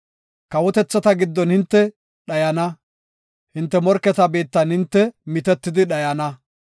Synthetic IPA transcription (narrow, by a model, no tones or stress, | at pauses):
kɐwɔt̪ɛt͡sːɐt̪ɐɡɪd̪ːɔnhɪnt̪ːɛ | ɗɐjɐnɐ | hɪnt̪ːɛmɔɾkːɛt̪ɐbeːt̪ːɐnhɪnt̪ːɛmɪt̪ɛt̪ːɪd̪ɪɗɐjɐnɐ